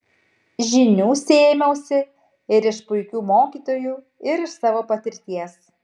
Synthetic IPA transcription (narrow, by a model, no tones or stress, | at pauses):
ʒʲɪnʲuːsʲeːmʲɛʊsʲɪ | ɪɾɪʃpʊɪkʲuːmoːkʲiːt̪oːjuː | ɪɾɪʃsɑːʋoːpɐt̪ʲɪɾʲt̪ʲiɛs